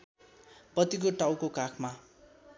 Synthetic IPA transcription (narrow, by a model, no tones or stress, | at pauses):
pʌt̪ik̬oʈawkokakʰma